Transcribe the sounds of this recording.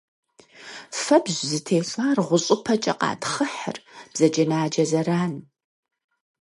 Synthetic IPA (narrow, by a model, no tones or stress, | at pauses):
fɐbʑzɨtʰeːɬʷʼaːrʁʷʊɕʼʊpʰɐt͡ʃʼɐ̰qʼɑ̰ːtχəħə̰rb̥zɐd͡ʒɐnaːd͡ʒɐzɐraːn